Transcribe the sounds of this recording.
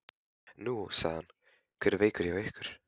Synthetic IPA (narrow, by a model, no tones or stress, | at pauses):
nuːsaːn | kʰəɾvejkəɾjawɛhkəɾ̥